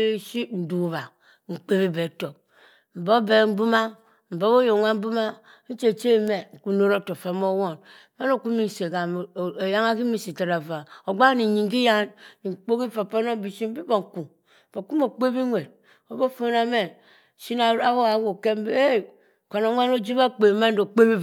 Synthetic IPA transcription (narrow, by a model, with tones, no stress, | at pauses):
ʃi˦n̩˨du˨βa˨ | ŋ̩˨k͡pe˦βi˦be˨to˨ | m̩˨bo˦be˨˦m̩˦bu˦ma˦ | m̩˨bo˦bo˦jo˨ŋʷa˦m̩˦bu˦ma˦ | n̩˦t͡ʃe˨t͡ʃe˦˨me˨ŋ̩˨ku˨no˦ɾo˦˨to˨fa˨mo˦wo˦˨n˦ | ma˦no˦˨ku˦mi˦n˨se˨ɡa˨m˨ja˦ŋa˦ki˦mi˨si˨ta˨ɾa˨va˨o˨ɡ͡ba˦ni˨ɲi˨ŋɡi˦ja˦nni˨k͡po˦ki˦fa˨po˦no˦bi˨si˦bi˦bo˨ŋ˨ku˨ | b̥o˨ku˦mo˨k͡pe˦bi˦ŋʷe˨d̚ | o˨bo˦fo˦na˦me˨ | ʃi˦na˦˨a˦wo˦a˨˦wo˨ke˦m˦be˦ | ko˨no˨ŋʷa˦no˦d͡ʒi˦ba˦k͡pe˨ma˦n˦do˨k͡pe˦bi˦